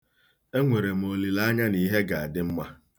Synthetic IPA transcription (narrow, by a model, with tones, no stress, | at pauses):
e˦ŋʷe˨ɾe˨m̩˨o˨li˨la˦ɲa˦ni˦ɦe˦ɡa˨a˨dɪ˦m̩˦ma˦